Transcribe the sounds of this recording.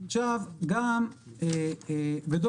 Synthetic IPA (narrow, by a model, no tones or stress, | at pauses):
t͡ʃavɡame | bed̪o